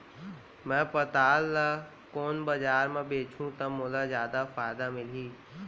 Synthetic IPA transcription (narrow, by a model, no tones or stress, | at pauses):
mɛ̃pət̪aːlːa | koːnbɐd͡ʒaːɾmẽbeːt͡ʃʰũt̪ɐmːoːlazjaːd̪afaːɪd̪amɪliː